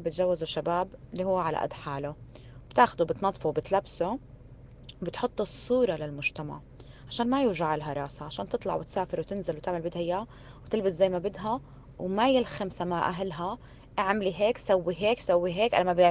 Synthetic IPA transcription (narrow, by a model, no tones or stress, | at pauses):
bɪt̪ʒawːɪzuʃabaːbɪlːihuwːʕala̰ʔɪ̰d̪ħaːlʊ | b̥t̪aːxad̪uwbɪt̪nɑt̪ˤːfuwbɪt̪labsu | bɪt̪ħʊt̪ˤːɨsˤːuːɾˤɑlalmʊʒ̥t̪ama̰ʕ | ʕaʃaːnmajʊːʒaʕalɦɑɾˤɑːshaʕaʃaːnt̪ɨt̪ˤlɑ̰ʕwɪt̪saːfɪɾwt̪ɪnzɪlwt̪ɪʕmalbɪd̪hɪja | wt̪ɪlbɪszajːmabɪd̪ɦa | wmajɪlxamsamaʔaɦlɦa | ʔaʕmliɦeːksawːiɦeːksawːiɦeːkʔa̰lamabɪ